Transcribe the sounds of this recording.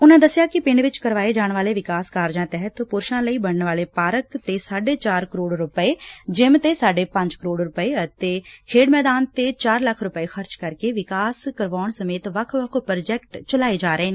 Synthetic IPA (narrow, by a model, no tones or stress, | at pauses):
ʊnãːd̪əsjaːkɪpɪɳɖʋɪt͡ʃkəɾʋaːeːd͡ʒaːɳʋaːleːʋɪkaːskaːɾd͡ʒãːt̪ɛːɦət̪pʊɾʃãːləiːbəɽəɳʋaːleːpaːɾəkt̪eːsaːɖeːt͡ʃaːɾkəɾoːɽɾʊpəeːd͡ʒɪmt̪eːsaːɖeːpə̃ɲd͡ʒkəɾoːɖɾʊpəeːət̪eːkʰeːɖmɛːd̪aːnt̪eːt͡ʃaːɾləkʰːɾʊpəeːxəɾt͡ʃkəɾkeːʋɪkaːskəɾʋaːʊɳsəmeːt̪ʋəkʰʋəkʰpɾd͡ʒɛːkʈt͡ʃəlaːeːd͡ʒaːɾəeːne